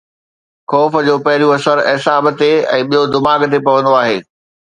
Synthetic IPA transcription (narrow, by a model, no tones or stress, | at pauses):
xɔːfə̆d͡ʑoːpɐɦɪɾjũɐsəɾɪsaːbt̪eɛ̰̃ːɓijod̪ɪmaːɡt̪epɐʋə̃nd̪oaːɦeː